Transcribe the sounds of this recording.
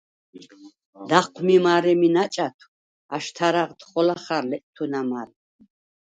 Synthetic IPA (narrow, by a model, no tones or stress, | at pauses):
d̪̥aqʰʷmimaɾɛminat͡ʃʼat̪ʰw | aʃt̪ʰaɾaʁt̪χɔlaχaɾlɛtʼt̪ʰunamaɾ